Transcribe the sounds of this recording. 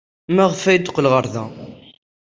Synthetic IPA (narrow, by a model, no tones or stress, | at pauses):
mæʁfæjd̪qːlʁəɾˤðæ̰